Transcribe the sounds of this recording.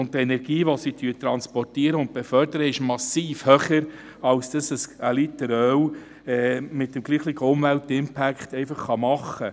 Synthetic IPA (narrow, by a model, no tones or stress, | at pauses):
ʊntɛnɛɾɡ̥iːʋosityətɾɑnspɔrtiəɾəʊnt̚b̥efœɾdəɾəɪʃmɑsiːfhøχəɾ | ɑlsd̥ɑsəsəlit̪əɾœw | ɛːmɪtːəmɡliːχliɡəʊmvæltɪmpʰækχtɛɪfɑχːɑmɑχːə